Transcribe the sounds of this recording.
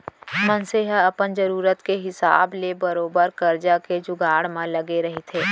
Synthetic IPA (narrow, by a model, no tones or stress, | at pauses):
mə̃nseɦɐpənd͡ʒɐɾuːɾət̪keɦɪsa̰ːblebɐɾoːbəɾkɐɾd͡ʒaked͡ʒʊɡaːɽmẽlɐɡeɾɐɦet̪ʰeː